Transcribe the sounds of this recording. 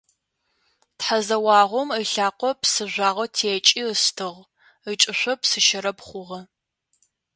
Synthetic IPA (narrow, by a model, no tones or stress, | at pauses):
tħazɐwɑːʁʷɔməɬaːqʷɔpsɨʒʷaːʁʷɔtʰeːt͡ʃʼiːəstʰɨʁ | ət͡ʃʼɨɕʷɔpsɨʃɐɾɐpχʷʊʁɐ